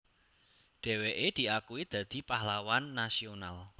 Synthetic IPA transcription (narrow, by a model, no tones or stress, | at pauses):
ɖ̥ɛ̤weʔed̪̥i̤akuwid̪̥ä̤d̪̥i̤pahlawanːasional